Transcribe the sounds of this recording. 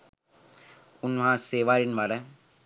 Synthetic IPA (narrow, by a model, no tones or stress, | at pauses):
ʊnmɐɦaːseːʋaːɾɪnʋɐɾɐ